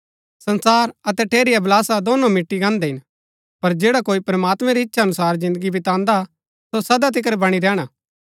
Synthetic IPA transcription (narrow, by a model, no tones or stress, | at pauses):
sɐnsaːɾɐt̪ɛʈʰeːɾɪjablaːsad̪oːnõmɪʈːiɡãːnd̪ɛɦɪn | pɐɾd͡ʒeːɽakoːipɾɐmaːt̪mɛ̃ɾiɪtːʃʰaɐnʊsaːɾzɪ̃nd̪əɡibʱɪt̪ãːnd̪a | sosɐd̪at̪̬ɪk̬ɾɛbɐɽ̃iɾɛːɽ̃a